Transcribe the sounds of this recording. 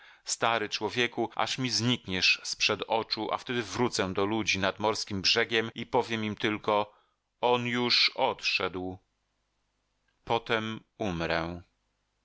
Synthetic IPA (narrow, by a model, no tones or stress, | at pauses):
st̪aɾɘt͡ʂwɔvʲjɛkuʔa̰ʂmʲizɲikɲɛʂspʂɛd̪ɔt͡ʂuʔa̰ft̪ɛd̪ɘvɾut̪sɛ̃d̪ɔlud͡ʑinad̪mɔɾskʲimbʐɛɡʲɛmipɔvʲjɛmimt̪ɘlkɔ | ɔnjuʂɔt̪ʂɛd̪w | pɔt̪ɛmumɾɛ